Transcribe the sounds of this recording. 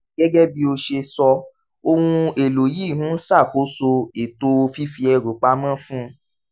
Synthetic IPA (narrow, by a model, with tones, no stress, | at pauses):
ɡɛ˦ɡɛ˦bi˧o˧ʃe˧sɔ˧ | o˧hũ˧e˨lo˨ji˦˨ɦũ˦sa˦˨ko˨˦so˧e˨to˧fi˦fi˧ɛ˧ɾu˨k͡pa˧˦mã˦fũ˦